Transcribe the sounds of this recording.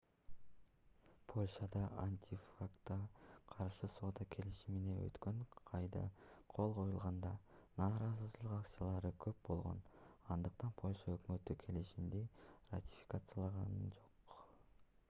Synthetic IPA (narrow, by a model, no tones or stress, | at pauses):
pʰo̞lʲʃɑd̪ɑʔanʲt̪ʲifrakt̪ːɑqʰɑɾʃɯso̞ːd̪ɑkʲʰe̞liʃimine̞ø̰t̪kø̞ɴqʰɑjd̪ɑ̰qʰo̞lˠqʰo̞julˠʁɑnd̪ɑnɑːɾɑzɯlɯlˠɯqakt̪ɨjalˠɑɾɯkʰø̞p̚bo̞lˠʁo̞̰nɑnd̪ɯqt̪ɑnpʰo̞lʲʃɑøkmø̞t̪ykʰe̞liʃimd̪iratʲi̥fʲi̥kat̪sɨjalˠɑʁɑnd͡ʒo̞q